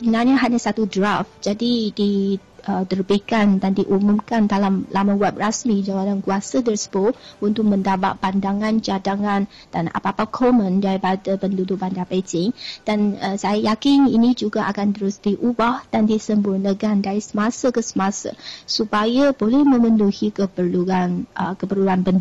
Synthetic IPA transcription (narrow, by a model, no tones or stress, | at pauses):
səbənarɲaɦaɲasat̪udɾafd͡ʒadidiʔət̪ərbikandandiʔumumkandalamlamawɛp̚rasmid͡ʒawalankuasat̪ərsə̥bʊunt̪ʊk̚mə̃ndaba̰ʔ̪̚bandaŋant͡ʃadaŋan | d̥ana̰papakʰɔmə̃ndaɾipadapəndudʊʔ̚bandapetɪŋd̥anəsajajakɪninid͡ʒuɡaʔakant̪əɾʊsdiʔubahd̥andisəmbʊrnəkandaɾisəmasakəsə̥masə̰supajabolɛhmə̃mənuhikəpərluankəpərluanpənd